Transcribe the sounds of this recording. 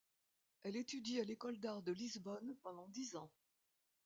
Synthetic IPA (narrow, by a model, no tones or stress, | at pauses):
ɛlet̪yd̪ialekɔld̪aʁd̪əlizbɔnpɑ̃d̪ɑ̃d̪izɑ̃